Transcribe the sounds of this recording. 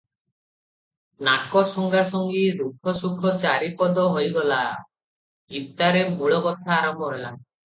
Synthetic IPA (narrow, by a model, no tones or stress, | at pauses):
nakɔsɔŋɡasɔŋɡiɾukʰɔsukʰɔt͡ʃaɾipɔd̪ɔɦojɡɔla | ɡip̚t̪aɾemuɭɔkɔt̪ʰaːɾɔmbɔɦela̰